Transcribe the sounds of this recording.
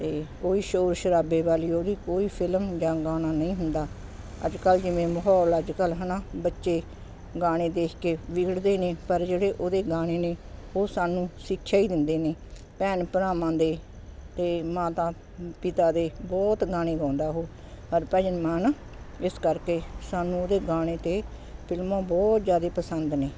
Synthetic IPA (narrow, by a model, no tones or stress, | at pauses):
t̪eːoːiːʃoːɾʃəɾaːbeːʋaːliːoːd̪iːkoːiːpʰɪlmd͡ʒãːɡaːnaːnəĩːɦʊnd̪aː | ə̰d͡ʒkəld͡ʒɪʋẽːməɦɔːləd͡ʒkəlɦənãːbətːʃeː | ɡaːɽ̃eːd̪eːkʰkeːʋɪɡəɽd̪eːneːpəɾd͡ʒeːɽeːʔoːd̪eːɡaːɽ̃eːneːoːsaːnũːsɪkʰʃaːiːd̪ɪnd̪eːneː | pɛːnpəɾaːmãːd̪eː | t̪eːmaːt̪aː | pɪt̪aːd̪eːbɔːt̪ɡaːɽ̃eːɡãːnd̪aːɦoː | həɾpɛːd͡ʒənmaːn | ɪskəɾkeːsaːnũːoːd̪eːɡaːɽ̃eːt̪eː | pɪlmãːbɔːt̪zjaːd̪eːpəsənd̪neː